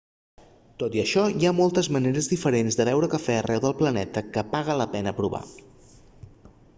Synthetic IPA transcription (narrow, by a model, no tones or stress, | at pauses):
t̪ot̪iəʃɔiamolˠt̪əzməneɾəzðifəɾenzd̪əβɛwɾəkəfɛərʔɛwðəlˠplənɛt̪əkəpaɣələpɛnəpɾuβa̰